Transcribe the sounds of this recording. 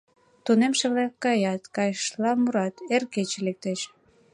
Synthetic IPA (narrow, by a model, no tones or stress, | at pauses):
t̪unemʃeβlɑkːɑjɑt̪kɑjʃlɑmuɾɑt̪erket͡ɕelek̚t̪eʃ